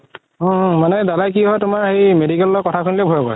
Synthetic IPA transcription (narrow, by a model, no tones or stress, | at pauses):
ɔ̃manɛdalajk̬iɦɔjtʊmaɹxejmedikɛlːɔkɔtʰakʰunilɛbʱojakɔ̰j